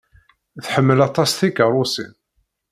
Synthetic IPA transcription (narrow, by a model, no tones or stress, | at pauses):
θħəmːəlɑt̪ˤɑsθikərˤʊsḭn